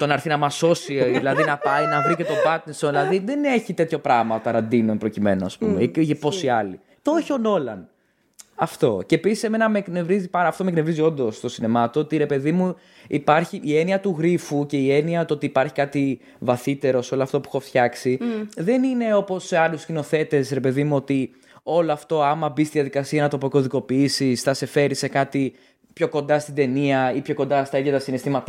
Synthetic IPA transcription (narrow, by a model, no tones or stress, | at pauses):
t̪o̞nɐɾθinɐmɐso̞siðilɐðinɐpɐjnɐvɾicet̪o̞bɐt̪nesonðilɐðiðene̞çit̪e̞t̪ço̞pɾɐɣmɐot̪ɐɾɐnd̪inonpɾo̞cime̞noɐspumḛepo̞siɐli | t̪ooçono̞lɐn | ɐft̪o̞cepisise̞me̞nɐmekne̞vɾizipɐɾɐft̪o̞meknevɾizio̞nd̪o̞st̪o̞sinemɐt̪oot̪iɾe̞pe̞ðimu | ipɐɾçiʔːe̞niɐt̪uɣɾifuce̞ie̞niɐt̪ot̪iːpɐɾçi̥kɐt̪i | vɐθit̪e̞ɾo̞seo̞loɐft̪o̞pu̥xofθçɐksiðe̞nine̞o̞po̞seɐluscino̞θe̞t̪e̞sɾe̞pe̞ðimuo̞t̪i | o̞loɐft̪o̞ɐmɐbist̪iðijɐðikɐsiɐenɐt̪o̞poko̞ðiko̞piisisθɐse̞fe̞ɾise̞kɐt̪i | pço̞ko̞nd̪ɐst̪id̪e̞niɐipço̞ko̞nd̪ɐst̪ɐiðjɐt̪ɐsinest̪imɐt̪ɐ